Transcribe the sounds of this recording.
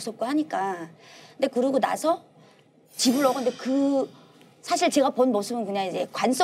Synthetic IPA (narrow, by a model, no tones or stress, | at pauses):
s͈ʰʌp̚k͈ohaɲik͈a | nde̞kɯɾʌɡona̰sʰʌ | t͡ɕibɯɭʌɡondekɯ | sʰaɕʰiɭt͡ɕe̞ɣaponmʌsʰɯbɯnkɯɲaŋid͡ʑe̞̰kwans͈o